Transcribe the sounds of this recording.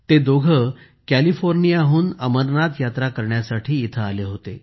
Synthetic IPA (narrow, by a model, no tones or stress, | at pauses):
t̪ed̪oɡʱə | kælifoɾnijaɦuːnəməɾnat̪jat̪ɾakəɾɳjasaʈʰiːt̪ʰəaleɦot̪ḛ